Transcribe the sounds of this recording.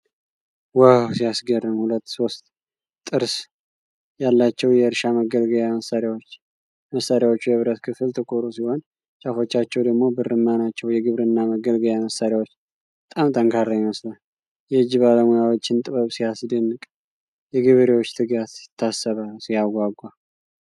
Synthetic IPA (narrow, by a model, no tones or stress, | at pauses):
wawsijasɡərːɨmhulət̪ːso̞st̪ʼ | t̪ʼːɨɾs | jalːat͡ʃːɛwjɛɨɾʃaməɡəlɡəjaməsːaɾjawot͡ʃː | məsːaɾjawot͡ʃːujɨβɾət̪kʰɨfɨlt̪ʰɨkʼoɾusiho̞n | t͡ʃʼafo̞t͡ʃːat͡ʃːɛwd̪əɡmo̞bɨɾɨmːanat͡ʃːɛwjɛɡɨβɾɨnːaməɡəlɡəjjaməsaɾjawot͡ʃː | bət̪ʼamt̪ʰəŋkʰaɾːajɪməslal | jɛɨd͡ʒːiβaləmujawo̞t͡ʃːɪnt̪ʼɨβəβsijasd̪ɨnːɨkʼ | jɛɡɨβɾewo̞t͡ʃːt̪ʰɨɡat̪sɪ̥t̪ʰːasːəβalsijaɡʷaɡʷːa